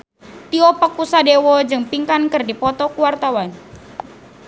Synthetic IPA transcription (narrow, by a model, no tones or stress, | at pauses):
t̪iɔpəkusadewɔd͡ʒɨŋpiŋkankɨrdipɔt̪ɔkuwart̪awan